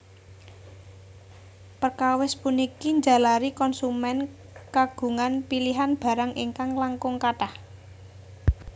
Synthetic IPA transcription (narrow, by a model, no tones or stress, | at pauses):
pərkawɪspunikiɲd͡ʒa̤laɾikɔnsumɛn | kaɡ̥ṳŋanpiliɦanb̥a̤ɾaŋʔiŋkaŋlaŋkʊŋkaʈah